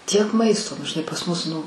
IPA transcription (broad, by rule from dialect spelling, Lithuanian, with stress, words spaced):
tʲiɛk ˈmɐɪstoː nʊ ʒʲɪˈnɐɪ pɐs ˈmʊs ˈnʊ